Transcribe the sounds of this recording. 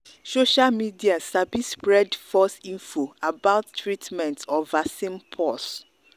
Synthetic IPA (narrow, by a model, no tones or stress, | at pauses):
soʃalmidiasabispɹɛdfɔsĩnfoabaʊtːɹitʰmɛ̃ntʰɔvasĩmpʰɔs